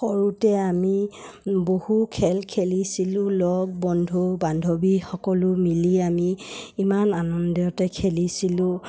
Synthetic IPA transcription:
xɔɹutɛamibohukʰɛlkʰelisilʊ̃lɔɡ̚bɔndʱubandʱobixɔkɔlʊmiliamiimananɔndjɔtɛkʰelisilʊ̃

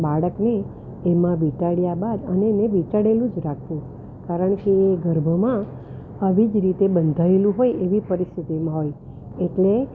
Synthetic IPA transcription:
baɭəkneː | mãʋit͡ʃaɽjabad̪əneneʋit͡ʃaɽelũd͡ʒɾakʰʋũ | kaɾəɳkeːɡəɾbʱəmã | əʋid͡ʒɾit̪ebənd̪ʱaelũɦojeʋipəɾist̪ʰit̪imãɦoj | eʈle

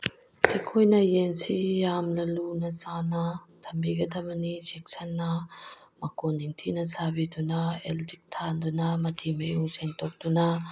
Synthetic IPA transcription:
ɐjkʰojnɐjensijamlɐlunɐsanɐtʰɐmbiɡɐdʰɐmɐnisek̚sʰɐnːɐmɐkoniŋtʰinɐsabidunɐeltik̚tʰandunɐmɐtʰimɐjuŋseŋtʰok̚dunɐ

